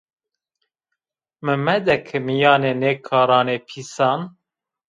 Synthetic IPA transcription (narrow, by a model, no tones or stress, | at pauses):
mɨmɛd̪ɛkʰɨmijɑːneːneːkʰɑːɾɑːneːpʰiːsɑːn